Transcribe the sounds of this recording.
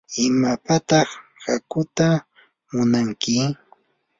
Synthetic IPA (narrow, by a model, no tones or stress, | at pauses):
ɪmapat̪ɑχhakʊt̪a | mʊnaŋkɪ